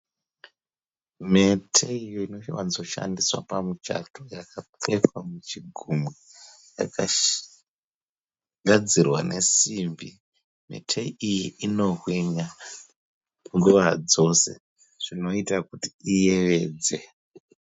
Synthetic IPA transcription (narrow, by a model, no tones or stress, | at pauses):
me̞tʰeijoino̞wanzo̞ʃa̰ndiswa̰pamut͡ʃa̰tojakap͡fe̞famut͡ʃiɡʱumwe | ja̰ka | ɡʱad͡zirwa̰nʔe̞̰simbi | me̞̰tʰeijiʔino̞rwiɲa | uŋɡuʋad͡zo̞se̞̰ | ʐ̥ino̞itakutiijeʋe̞ːd͡ze